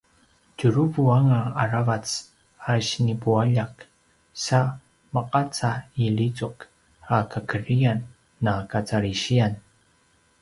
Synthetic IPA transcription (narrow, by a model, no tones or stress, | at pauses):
cuɾuvuaŋaːɾavat͡s | aʃnipuaʎak | sa | məqʼat͡sailit͡suk | akakərianː | akat͡saɾiʃian